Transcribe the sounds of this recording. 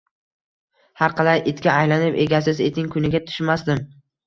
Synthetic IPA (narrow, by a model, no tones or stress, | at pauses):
haɾqʰɑlajʔɪt̪kʲaːjlanɪpe̞̰ɡʲasɪze̞t̪ʰɪŋkʰʊnɪɡʲat̪ʰʊ̥ʃmasd̪ɪm